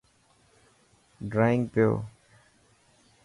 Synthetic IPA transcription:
ɖɾaːɪ̃ŋɡpɪjo̰ː

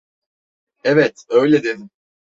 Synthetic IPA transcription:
evɛt̪ø̞jlʲɛd̪e̞d̪im

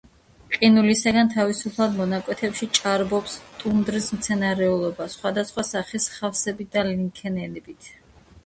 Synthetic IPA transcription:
qʼinulisaɡant̪ʰavisupʰlˠad̪mɔnakʼwɛt̪ʰɛpʃit͡ʃʼaɾbɔpst̪ʼund̪ɾismt̪sʰɛnaɾɛulˠɔbasχwad̪asχwasaχisχafsɛbit̪̚d̪aliŋkʰɛnɛnɛbit̪ʰ

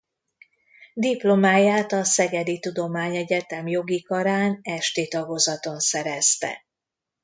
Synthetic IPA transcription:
d̪iplo̞maːjaːt̪ɒsɛɡɛd̪it̪ud̪o̞maːɲɛɟɛt̪ɛmjo̞ɡikɒɾaːnɛʃt̪eːt̪ɒɡo̞zɒt̪o̞nsɛɾɛst̪ɛ̰

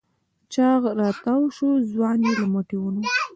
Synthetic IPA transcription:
t͡ʃɑɣɾɑt̪awʃozwɑnelamaʈiwuno

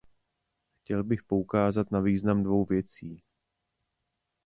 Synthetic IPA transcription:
xcɛlbɪxpo̞ukaːzat̪naviːznamdvo̞wvjɛt͡siː

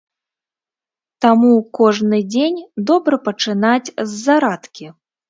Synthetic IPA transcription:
t̪amukɔʐnɨd͡zʲenʲd̪ɔbɾɐpɐt͡ʂɨnat͡sʲzːaɾat̪kʲi

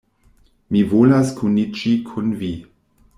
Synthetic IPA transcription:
mivolaskʰunid͡ʒikʰunvi

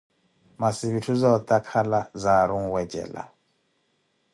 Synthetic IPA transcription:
masiβitʰuzaɔt̪ʼakʰalazaɾuŋ̩wɛd͡ʒɛ̰ːla̰

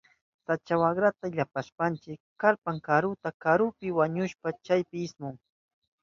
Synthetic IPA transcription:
sat͡ʃawaɡɾat̪aʎapaʃpant͡ʃɪkkːaɾpaŋkaɾʊt̪akaɾʊpɪwaɲʊʃpat͡ʃajpɪɪsmʊŋ

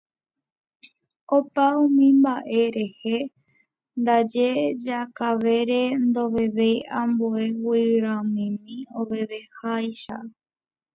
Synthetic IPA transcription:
opaũmĩmbaʔe̞ɾe̞he | nd̪ad͡ʒed͡ʒakaʋe̞ɾend̪oʋe̞ʋejãmboe̞wiɾãmĩmĩoʋe̞ʋe̞hajʃa

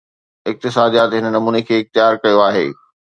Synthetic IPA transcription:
ɪk̚t̪ɪsaːd̪ijaːt̪ɦɪnənɐmuːnekʰeːɪx̚t̪ɪjaːɾkɐjoaːɦḛː

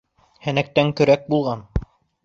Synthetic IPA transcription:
hæ̆næk̚t̪æŋkɵ̆ɾæk̚bulˠʁɑn

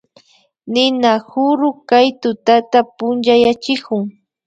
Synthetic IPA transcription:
nɪnahʊɾʊkajt̪ʊt̪at̪apʊnt͡ʃajat͡ʃɪkʊŋ

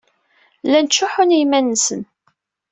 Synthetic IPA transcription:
lænt͡ʃːʊħʊnijmænːsə̰n

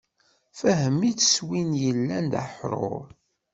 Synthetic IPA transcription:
fæɦəmːit͡sə̥swinjəlːænd̪a̰ħɾˤo̰ɾˤ

